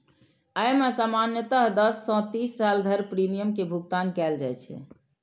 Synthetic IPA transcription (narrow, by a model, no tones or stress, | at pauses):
ajmesamanjət̪əɦd̪əsːɔ̃t̪isːald̪ʱəɾpɾimijəmkebʱuɡt̪ankɛld͡ʒajt͡ʃʰɛ̰